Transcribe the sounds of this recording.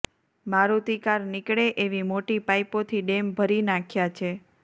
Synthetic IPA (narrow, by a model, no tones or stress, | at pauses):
maɾut̪ikaɾnɪkɽeʔeʋimoʈipajpot̪ʰiɖembʱəɾinakʰjat͡ʃʰe